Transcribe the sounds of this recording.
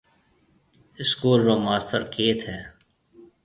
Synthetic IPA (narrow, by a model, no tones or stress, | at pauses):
ɪskuːlɾoːmaːst̪əɾkeːt̪ɦɛː